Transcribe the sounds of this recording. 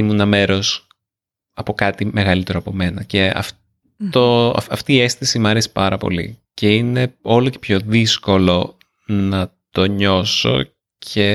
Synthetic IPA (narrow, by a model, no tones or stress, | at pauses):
imunɐme̞ɾo̞s | ɐpo̞kɐt̪ime̞ɣɐlit̪e̞ɾoɐpo̞me̞nɐce̞ɐ̰f | t̪oɐ̰fɐft̪iːe̞st̪isimɐɾesi̥pɐɾɐpo̞̰lḭce̞ine̞o̞loce̞̥pço̞ðisko̞lo̞ | nɐt̪o̞ɲo̞so̞̰ | cʰe̞